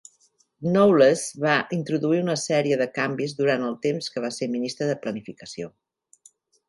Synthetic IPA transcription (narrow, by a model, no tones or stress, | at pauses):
nowləzβaʔint̪ɾuðuiunəsɛɾiəðəkambizðuɾant̪əlˠt̪emskəβ̞aseminist̪ɾəðəplənifikəsio